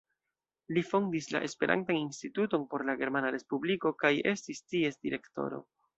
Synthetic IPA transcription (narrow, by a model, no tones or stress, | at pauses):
lifo̞ndisla̰ʔe̞spe̞ɾʔa̰ntaninstituto̞npo̞ɾlaɡe̞ɾmanaɾe̞spubliko̞kaje̞stistie̞sdiɾe̞kto̞̰ɾo̞̰